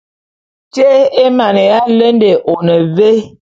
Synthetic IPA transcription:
te˦e˦ma˨ne˨ja˦lə˦nde˨ʔo˨nə˨ve˦

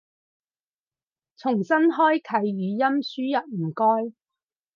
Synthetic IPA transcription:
t͡sʰʊ˨˩ŋsɐ˥nɦɔː˥jkʰɐ˨˧jːyː˨˧jɐ˥msyː˥jɐ˨t̚m̩˨˩kɔː˥j

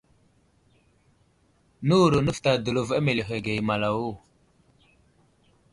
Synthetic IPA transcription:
nu˦˨ɾo˨nə˦fta˨də˨lo˨va˦me˨le˨ɦe˨ɡe˨jma˨la˨wo˦˨

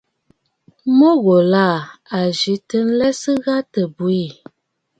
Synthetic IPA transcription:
mɔ˦ɣo˨la˦˨a˨ʒi˨˦tə˦n̩˦lɛ˦sə˦ɣa˦tə˨bu˨˦i˦˨

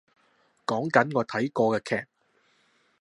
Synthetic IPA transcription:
kɔː˨˥ŋkɐ˨˥nŋɔː˨˧t̪ʰɐ˨˥jkɔː˧kɛː˧kʰɛː˧˩k̚

